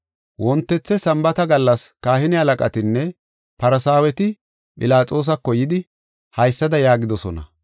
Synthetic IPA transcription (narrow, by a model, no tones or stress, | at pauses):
wɔnt̪ːɛt͡sːɛsɐmbɐt̪ɐɡɐlːɐskaːhɪnɪhɐlɐkʼɐ̰t̪ɪnːɛ | pɐɾɐsaːwɛt̪ɪ | pʼɪlaːt͡sʼo̞ːs̬ɐkːɔjɪd̪ɪ | hɐjsːɐd̪ɐjaːɡɪd̪ɔsɔnɐ̰